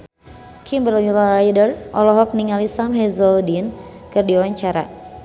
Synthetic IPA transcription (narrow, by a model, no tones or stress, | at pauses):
kʰimbərilɾajdərʔɔlɔɦɔk̚niŋalisamɦɛzɔldinkɨrdiwaɲt͡ʃaɾa̰